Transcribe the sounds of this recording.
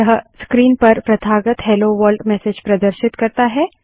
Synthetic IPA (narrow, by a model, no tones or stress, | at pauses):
ɐɦəskɾiːnpɐɾpɾɐt̪ʰaːɡət̪ɦɛloːʋəɾɖmɛːsed͡ʒpɾɐd̪əɾʃɪt̪kɐɾt̪aɦɛː